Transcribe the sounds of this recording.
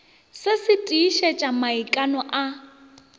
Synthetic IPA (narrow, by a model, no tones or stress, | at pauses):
sɪsɪtʼiːʃɛt͡ʃʼamaikʼanɔʔa